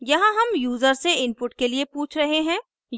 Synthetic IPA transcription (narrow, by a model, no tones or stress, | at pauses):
jɐɦãɦɐmjuːzəɾseɪnpʊʈkeliepuːt͡ʃʰɾɐɦeɦɛ̃ː | j